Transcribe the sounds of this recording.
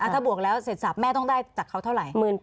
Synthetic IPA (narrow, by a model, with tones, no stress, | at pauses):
ʔa˧˩t̪ʰaː˥˩bu˨˩ək̚lɛː˦˥wse˨˩t̪sa˨˩p̚mɛː˥˩t̪ɔ˥˩ŋdaː˥˩jt͡ɕaː˨˩kʰːa˦˥wt̪ʰa˥˩wɾa˨˩jmɯː˨˩n